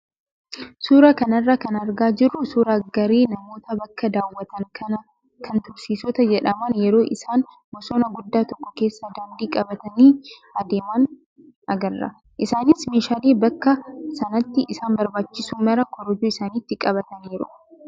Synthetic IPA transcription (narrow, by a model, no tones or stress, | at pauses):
suːɾɐkɐnɐrːaːkɐnɐɾɡaːd͡ʒɪrːʊsuːɾaːɡɐɾeːnɐmo̞ːt̪ɐbɐkːɐd̪aːwːɐt̪ɐŋkʰɐnɐ | kʰɐnt̪ʊɾsiːsɔt̪ɐd͡ʒɛᶑɐmaːnjɛɾo̞ːʔɪsaːn | mɔsoːnɐɡʊd̪ːaːt̪ɔkːɔ̥ke̞ːsːɐd̪aːnd̪iːkʼɐbɐt̪ɐniː | ɐd̪eːmɐn | ʔɐɡɐrːɐ̰ | ʔɪsaːnɪsmeːʃaːleːbɐkːɐsɐnɐt̪ːɪʔɪsaːnbɐɾbaːt͡ʃːɪsuːmɐɾɐkʰɔɾɔd͡ʒuːɪsaːnɪt̪ːɪkʼɐβɐt̪ɐniːɾʊ̰